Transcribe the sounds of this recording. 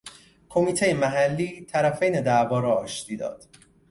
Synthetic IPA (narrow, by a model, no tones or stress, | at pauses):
kʰo̞miːt̪ʰejemæɦælːiːt̪ʰæɾæfejned̪ævɒːɾɒːʃt̪iːd̪ɒ̰ːd̪̥